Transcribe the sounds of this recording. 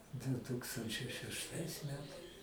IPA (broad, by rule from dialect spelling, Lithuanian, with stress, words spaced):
dʊ ˈtuːkstɐnʲt͡ʃʲɛɪ ʃʲɛʃˈtɐɪs ˈmʲæːtɐɪs